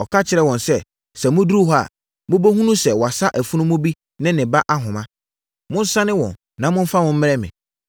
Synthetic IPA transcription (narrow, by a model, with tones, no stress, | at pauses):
ɔ˨kʰa˦t͡ɕʰɪ˨ɾɛ˦wɔ̃˨nsɛ˦ | sɛ˨mʊ̃˦du˦ɾu˦ɦɔ˦a̰˨ | mʊ̃˦bo˦ɦũ˦nũ˦sɛ˨wɔ˨a˨sa˦ʔæ˨fu˦nʊ̃˦mʊ̃˦bi˦ | nɪ̃˦nɪ̃˨ba˦ʔa˦ɦʊ̃˨mã˦ | mʊ̃˦n̩˦sã˦nɪ̃˦wɔ̰̃˨nːã˨˦mʊ̃˦n̩˦fa˦mʊ̃˦m̩˦mɪ̃˦ɾɛ˦mɪ̰̃˨